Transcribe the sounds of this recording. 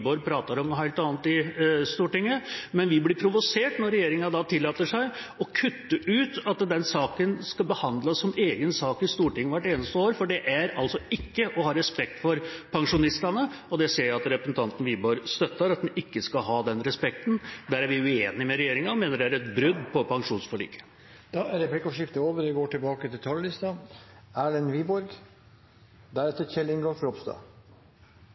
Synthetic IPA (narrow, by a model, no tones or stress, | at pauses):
boɾpʰɾɑːt̪ɑɾɔmnɔhæɪlt̪ɑːn̩t̪ɪst̪uːʈɪŋːəmɛnʋɪblɪpʰɾʊʋʊseːʈnɔɾːɛjeːɾɪŋɑd̪ɑt̪ʰɪlːɑːt̪əʂæɪ | ɔkʰʉt̪ːəʔʉːt̪ɑt̪d̪ɛnsɑːkənskɑlbəhɑnd̪ləsːɔmeːɡənsɑːkɪst̪uːʈɪŋːʋæʈːeːnəst̪əoːɾfɔɖɛʔæɾɑlsɔɪkːəʔɔhɑɾɛspɛk̚t̪fɔɾpʰɑŋʂʊnɪst̪ɑnə | ɔd̪ɛseːɾjæɑt̪ɾɛpɾəsn̩t̪ʰɑnt̪n̩ʋiːbɔɾst̪œt̪ːəɾɑt̪̚d̪ɛnɪkːəskɑɦɑːd̪ɛnɾɛspɛk̚t̪nd̪æɾæɾʋɪʉeːnɪmɛɾɛjeːɾɪŋɑɔmeːnəɖɛæɾɛt̪bɾʏd̪ːpʰɔpʰɑŋʂuːnsfɔɭy̰ːkə̥ | d̪̥ɑæɾɾɛplɪkːɔʂɪft̪əoːʋəɾɛɡoːʈɪlbɑːkət̪ɪlt̪ʰɑllɪst̪ɑæːɖɛnʋiːbɔɾɡ | d̪æɾɛt̪əçɛlːɪŋɡoːfɾɔpst̪ɑ̰ː